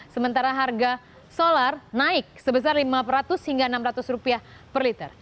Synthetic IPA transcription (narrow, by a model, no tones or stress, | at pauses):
səmənt̪aɾaɦarɡa | solarnaɪk̚səbəsarlimapɾat̪ʊshiŋɡaənamɾat̪ʊsrupiah | pərlit̪ər